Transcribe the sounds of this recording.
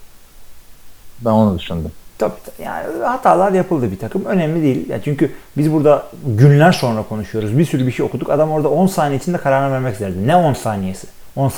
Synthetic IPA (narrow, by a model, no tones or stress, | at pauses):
bænonud̪yʃund̪ɯmt̪ʰabiːt̪ʰja̰ːnihat̪ʰaːlˠaɾjapʰɯlˠd̪ɯbit̪ʰakʰɯmø̞nɛmlʲid̪e̞jilʲja̰t͡ʃʰyɲcybizbuɾd̪aɟynlʲæɾso̞nɾakʰo̞nuʃujo̞ɾuzbiɾsyɾybiʃejo̞kʰud̪ukad̪amo̞ɾad̪ao̞nsaːneit͡ʃʰind̪ɛkʰaɾaɾnanvæɾmɛcizeɾed̪ɛnɛo̞nsaːnije̞sɪ̥ | o̞ns